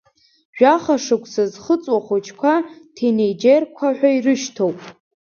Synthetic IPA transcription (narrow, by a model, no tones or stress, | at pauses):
ʒᶣaχaʂɨkʷʰʼsɨzχət͡sʼwaχʷot͡ʃʰkʷʰatʰenejd͡ʒerkʷʰaħʷᶣairɨʃtʰowpʼ